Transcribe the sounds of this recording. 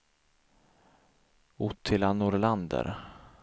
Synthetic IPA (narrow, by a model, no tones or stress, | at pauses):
ʊt̪ʰːɪlanʊɾland̪ə̰ɾ